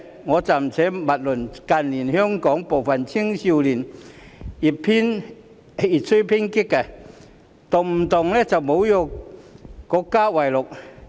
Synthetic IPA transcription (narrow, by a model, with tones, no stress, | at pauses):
ŋɔː˨˧t͡sa˨˩m˨t͡sʰɛː˨˧˥mɐ˨t̚lʊ˨˩nka˧nli˨˩nhœ˥ŋkɔː˨˦˥ŋpo˨wfɐ˨nt͡ɕʰi˥ŋɕi˧wli˨˩n | i˨˩ppʰi˦˥n | i˨˩t̚sʰu˥pʰi˥nki˦˥kːa˨˩ | t̪ʊ˨˩ŋm̩˨˩t̪ʊ˨ŋlɛ˦˥t͡sɐ˨wmo˨˧˦wjɔ˧ | kɔ˧kːaː˥wa˨˩jlʊ˨k̚